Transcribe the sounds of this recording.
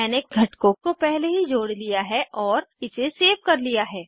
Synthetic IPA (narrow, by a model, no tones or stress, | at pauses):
ɛːnek̚ɡʱɐʈkõkopɛɦleɦid͡ʒoːɽlijaɦɛʔɔːɾɪseseːʋkɐɾlijaɦɛː